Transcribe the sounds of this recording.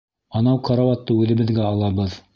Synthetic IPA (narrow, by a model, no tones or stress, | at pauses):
ɑnɑwkʰɑɾavɑt̪ːɤʉðɘ̆βɘ̆ðɡæɑlˠɑbɤð